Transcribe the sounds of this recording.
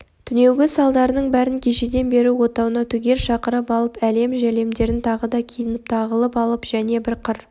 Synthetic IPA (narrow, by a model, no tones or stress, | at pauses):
t̪ʰʏne̞wɡʲɪsɑlˠd̪ɑɾənəɴbæɾɪŋkʲʰe̞ʃed̪e̞nbe̞ɾuwo̞t̪ɑwənɑt̪ʰʏɡʲe̞ɾʃɑqəɾəpɑlˠəpæle̞mʒæle̞md̪e̞ɾɪnt̪ʰɑʁəd̪ɑkʲʰijənɪp̚t̪ʰɑʁəlˠəpɑlˠəpʒ̥æne̞bɪɾqʰəɾ